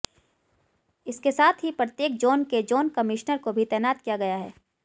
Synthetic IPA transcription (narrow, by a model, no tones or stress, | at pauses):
ɪskesaːt̪ʰɦipɾət̪jeːk̚d͡ʒoːnked͡ʒoːnkɐmɪʃnəɾkobʱit̪ɛːnaːt̪kijaɡɐjaɦɛ̰ː